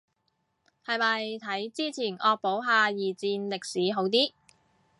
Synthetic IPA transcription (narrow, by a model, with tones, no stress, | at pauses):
hɐ˨jmɐ˨jt̪ʰɐ˨˥jt͡siː˥t͡sʰiː˨˩nʔɔː˧k̚po˨˥wɦaː˧jiː˨˩t͡siː˧nlɪ˨k̚siː˨˥ɦo˨˥wt̪iː˥